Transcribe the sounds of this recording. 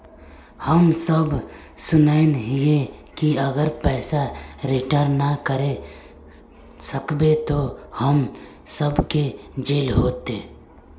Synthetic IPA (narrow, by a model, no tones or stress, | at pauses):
həmsəb | sʊnaɪnɦiekiɐɡəɾpɛːsaɾɪʈəɾnəkəɾe | səkbet̪ohəm | səbked͡ʒeːlɦoːt̪eː